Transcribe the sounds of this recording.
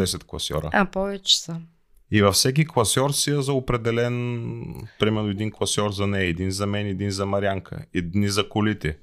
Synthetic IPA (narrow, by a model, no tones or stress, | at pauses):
ɛsɛt̪klˠɐ̰sʲɔ̰ɾə̰apɔvɛt͡ʃɛ̥sə | ivɐfsɛk̬iklˠɐsʲɔɾsiəzɐopɾɛd̪ɛlɛn | pɾimɛɾnoɛd̪inklˠɐsʲjɔɾzɐnɛɛd̪inzɐmɛnɛd̪inzɐmɐɾʲjaŋkʰə̰ɛd̪nizɐkʊlit̪ɛ